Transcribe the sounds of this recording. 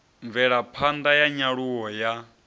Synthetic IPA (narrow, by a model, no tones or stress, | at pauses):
ɱvɛɺapʰand̪ajaɲaɺuwɔja